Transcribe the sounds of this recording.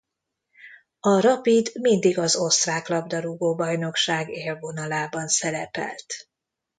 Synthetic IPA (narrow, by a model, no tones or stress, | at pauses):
ɒɾɒpid̪mind̪iɡɒzo̞st̪raːklɒbd̪ɒɾuɡoːbɒjno̞kʃaːɡeːlvo̞nɒlaːbɒnsɛlɛpɛ̰lt̪